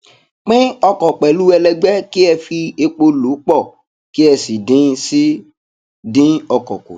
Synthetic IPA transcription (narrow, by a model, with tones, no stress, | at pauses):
k͡pɪ̃˦ɔ˧kɔ˨k͡pɛ˨lu˦ɛ˧lɛ˧ɡ͡bɛ˦ki˦ɛ˧fi˧e˧k͡po˧lo˨˦k͡pɔ˦˨ | ki˦ɛ˧si˨dĩ˦si˦ | dĩ˦ɔ˧kɔ˨ko̰˨